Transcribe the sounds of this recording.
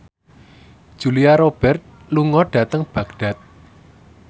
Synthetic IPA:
d̥ʒ̥ṳliaɾob̥ɛ̤rt̪̚ | luŋɔɖ̥ä̤t̪əŋb̥ä̤ɡɖ̥a̤t̪̚

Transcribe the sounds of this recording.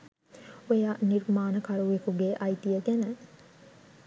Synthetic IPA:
ojaːniɾmaːnɐkɐɾuekuɡeʔɐjt̪ijɐɡenɐ

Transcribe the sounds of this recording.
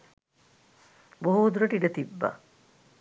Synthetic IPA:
boɦud̪uɾɐʈiɖət̪ibːa̰

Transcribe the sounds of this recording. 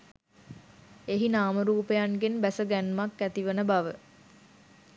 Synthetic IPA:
eɦinaːməɾuːpejanɡenbæsəɡænmakːæt̪iʋənəbaʋə

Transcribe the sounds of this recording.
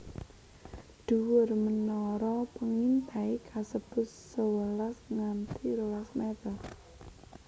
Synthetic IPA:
d̪̥uwʊrmənɔɾɔpəŋint̪aikʰasəb̥ʊ̤ | səwəlasŋant̪iɾowasmet̪ə

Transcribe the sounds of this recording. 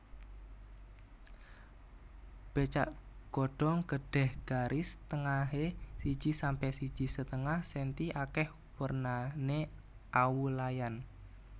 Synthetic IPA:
b̥et͡ʃaʔɡ̥oɖ̥ɔ̤ŋɡəɖ̥ɛ̤hɡ̥aɾʔɪst̪əŋaɦesi̥d͡ʒ̥i̤sampɛsi̥ʒ̥i̤sət̪əŋahsent̪iʔakɛh | wərnane | ʔawulajan

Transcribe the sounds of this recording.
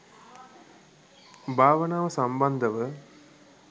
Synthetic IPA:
bʱaːʋɐnaːʋɐsɐmbɐnd̪ʱɐʋɨ

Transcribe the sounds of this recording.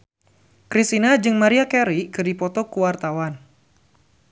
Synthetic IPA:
kɾist̪inad͡ʒɨŋmaɾiakɛɾikɨrdipɔt̪ɔkuwart̪awan

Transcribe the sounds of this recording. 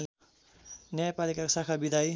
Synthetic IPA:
l | njajapalikakosakʰabid̪ʱaj

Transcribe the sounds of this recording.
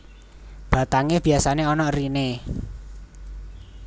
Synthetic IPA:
b̥a̤t̪aŋeb̥i̤asaneɔnɔrine

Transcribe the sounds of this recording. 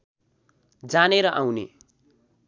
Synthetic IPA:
d͡zaneɾʌʔawnḛ

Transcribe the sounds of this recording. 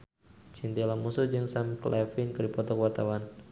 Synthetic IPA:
t͡ʃint̪ilamusud͡ʒɨŋsamklʔɛfɪnkɨrdipɔt̪ɔkəwart̪awan

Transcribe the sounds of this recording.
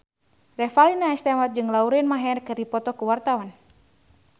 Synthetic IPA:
rɛfalinaɛst̪ɛmat̪̚d͡ʒɨŋlauɾinmaɦɛrkɨrdipɔt̪ɔkuwart̪awan

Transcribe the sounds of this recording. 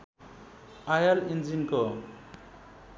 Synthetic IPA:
ajalind͡zinko

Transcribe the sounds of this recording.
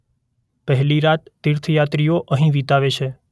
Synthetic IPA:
pəɦliɾat̪ːiɾt̪ʰjat̪ɾijoʔəɦĩʋit̪aʋet͡ʃʰe

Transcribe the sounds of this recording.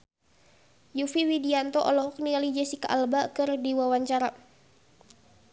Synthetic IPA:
jufiwidiant̪ɔʔɔlɔɦɔk̚nialid͡ʒɛsikaʔalbakɨrdiwawaɲt͡ʃaɾa

